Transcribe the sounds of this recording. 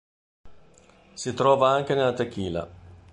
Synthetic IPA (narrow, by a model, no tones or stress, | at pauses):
sit̪ɾɔːvaaŋk̟enelːat̪ekːiːla̰